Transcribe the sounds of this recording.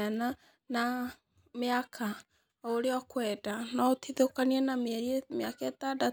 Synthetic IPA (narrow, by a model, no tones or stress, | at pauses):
ana | na | meakʰa | oɾeɔkwɛdanɔotʰiðokaniɛnamɛɾiɛmeakɛtada